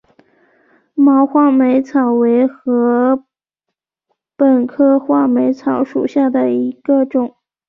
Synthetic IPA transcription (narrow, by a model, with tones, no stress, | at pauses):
mɑ˧˥ʊxwa˥˩me˧˥ɪt͡sʰɑ˨˩ʊwe˧˥ɪxɤ˧˥ | pə˨˩nkʰɤ˥xwa˥˩me˧˥ɪt͡sʰɑ˨˩˦ʊʂu˨˩ɕja˥˩d̪ə˩i˧˥ɡ̥ə˧ʈ͡ʂʊ˨˩˦ŋ